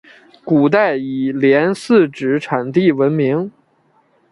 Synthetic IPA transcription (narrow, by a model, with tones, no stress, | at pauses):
ku˨˩t̪a˥˩ɪi˨˩ljɛ˧˥nsɹ̩˥˧ʈ͡ʂɻ̩˧˥ʈ͡ʂʰa˨˩nt̪i˥˩wə˧˥nmi˧˥ŋ